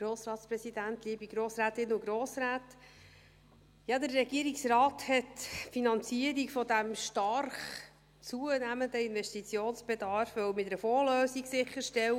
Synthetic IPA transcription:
ɡ̥ɾoːsɾɑːtspɾɛsid̥ænt̪liːbiɡɾoːsɾæːtɪnːʊɡɾoːsɾæːt | jɑd̪əɾːɛɡiːəɾiksrɑːthɛtfinɑnt͡siəɾiɡfɔdæmʃtɑɾχ | t͡suənæmənd̪əɪnvɛstit͡sjoːnsb̥ɛdɑɾfʋœwmɪtɾəfoːløːsiɡsɪχəʃtɛw

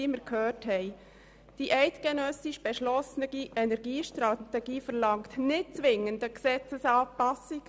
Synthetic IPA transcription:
ɪməɾkʰhøːthɛɪ | d̥iʔɛɪtɡ̥ɛnœsiʃb̥ɛʃlɔsnəɡiʔɛnɛɾɡiːʃtɾɑt̪ɛɡiːfəɾlɑŋktnɪt̚t͡sʋɪŋəndəksɛt͡səsɑːpɑsiɡ

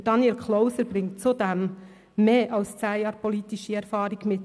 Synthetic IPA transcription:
əd̥ɑnjɛlkʰloʊsəɾb̥ɾɪŋtt͡sud̪ɛm | meːʔɑlst͡sæɪjɑːɾpɔliːtɪʃəɛɾfɑːɾɪɡ̥mɪt

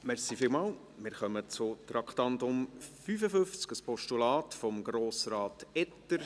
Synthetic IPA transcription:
mɛɾsifɪlmɑːl | mɪːɾχœmət͡sʊt̪ɾɑkʰtɑntʊmfyːfəfʏft͡skəspʰɔʃtulɑːtfɔmɡɾoːsɾɑːtɛtəɾ

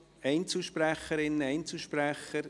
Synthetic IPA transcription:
ɛɪnt͡sl̩ʃpɾæχəɾɪnːəɛɪnt͡sl̩ʃpræχəɾ

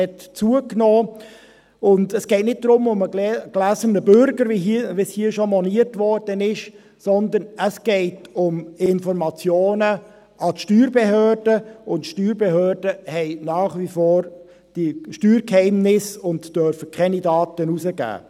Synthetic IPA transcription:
ɛtt͡suəknɔː | ʊndəsɡ̥ɛɪt̪nɪt̚d̥̪ɾʊmʊməɡlæsənəbʏɾɡəɾʋiʋishiːəʃɔmɔniətʋɔɾd̥ənɪʃ | sɔnd̪ənəsɡ̥ɛɪtʊmɪnfɔɾmɑt͡sjoːnə | ɑtʃtyːɾbehøːrd̥əʊntʃtyːɾbehøːɾdəhɛɪnɑːχʋifoːɾ | d̥iʃtyːɾkhɛɪmnɪsʊntd̥œɾfəkʰɛnidɑːtənusəɡæ̰ː

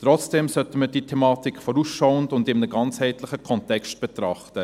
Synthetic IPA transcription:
tɾɔt͡sd̥ɛmsœtəməd̥iːtʰɛmɑːtikfɔɾusʃɔʊəndʊndɪmnəɡɑnt͡shɛɪtlɪχəkʰɔntɛkstb̥ɛtɾɑχtə

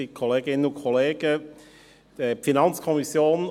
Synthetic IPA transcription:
ikʰoleːɡɪnʊkʰɔleːɡə | d̥əfinɑnt͡skʰɔmisjoːn

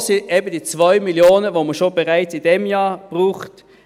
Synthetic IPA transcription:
sɪɛbəd̥iːt͡svɔʏmiljoːnəvoməʃobɛʁaɪt͡sɪdɛmjaːb̥ʁuːχt

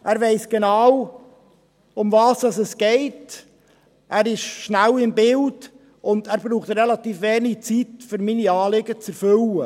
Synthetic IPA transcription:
ʔæːɾvɛɪsɡ̥enɑw | ʊmvɑːsdɑsɛsɡ̥ɛɪt | ʔæːɾɪʃʃnælɪmbɪld | ʊndæːɾbɾuːχt̪ɾelɑt̪iːfʋeːniɡt͡sitfʏɾminiɑːlɪɡət͡sɛɾfʏlə

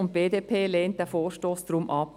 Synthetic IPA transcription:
ʊnt̚b̥eːdeːpʰeːleːnt̚d̥æfoːɾʃtoːsdɾumʔɑp

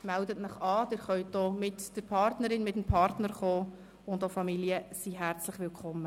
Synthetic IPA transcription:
mældətnəχɑːd̥ɪɾχœʏt̚d̥ɔːmɪtd̥əɾpʰɑrtnəɾɪnmɪtmpʰɑrtnəɾχoː | ʊndofɑmiliəsiɦæɾt͡slɪχʋɪlkʰχɔmːə

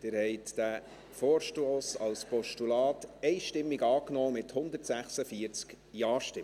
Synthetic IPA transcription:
d̥ɪːɾhɛɪt̪d̥æ | fɔːɾʃtoːsɑlspɔʃtulɑːt̪ɛɪʃtɪmːiɡɑːknoːmɪthʊnd̪əɾtsæχsəfiəɾt͡sk | jɑːʃtɪm

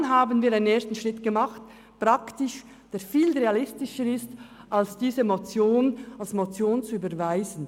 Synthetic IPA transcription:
nɦaːbənviːɾaɪnəneːɐstn̩ʃʁ̥ɪtɡ̥əmaχt | pʁ̥aktɪʃ | d̥eːfiːlʁealɪstɪʃəɾɪst | ʔalsd̥iːzəmot͡sjoːnalsmot͡sjoːnt͡suyːbəɾvaɪzən̩

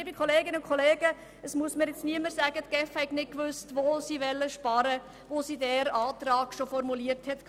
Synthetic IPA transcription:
bikʰɔleːɡɪnəʊkʰɔleːɡə | əsmuəsməɾjɪt͡sniəməɾsæːɡət̪ɡ̥ɛfhɛɪknɪt̚kʋʏstʋosiːʋɛlːəʃpɑɾə | ʋosidɛɾɑːtɾɑːɡ̥ʃofɔɾmuliəɾthɛtkʰ

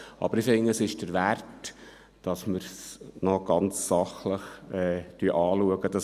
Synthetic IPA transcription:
ʔɑ̰b̥əɾɪfɪŋːəəsɪʃd̥əɾʋært | d̥ɑsməɾsnɔɡ̥ɑnt͡sːɑχləχɛːtyʔɑːluəɡəd̥ɑs

